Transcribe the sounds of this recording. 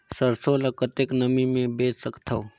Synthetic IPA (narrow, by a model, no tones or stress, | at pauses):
səɾsolɐkət̪eknəmimẽbeːt͡ʃsəkt̪ʰoː